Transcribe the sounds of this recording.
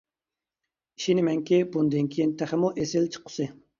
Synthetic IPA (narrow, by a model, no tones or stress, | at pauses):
i̥ʃinɪmɛŋkʲibund̪ɨŋkʲʰijint̪ʰæχɪmuʔesɪlt͡ʃʰə̥qʰʊ̥sɨ